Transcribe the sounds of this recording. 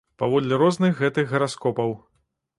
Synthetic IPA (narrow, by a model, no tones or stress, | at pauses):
pavɔd̪lʲiɾɔznɨxːɛt̪ɨxɣɐɾaskɔpɐw